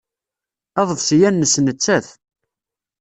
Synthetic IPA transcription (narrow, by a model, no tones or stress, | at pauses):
ɑðˤəðˤsjænːəsnət͡sːæθ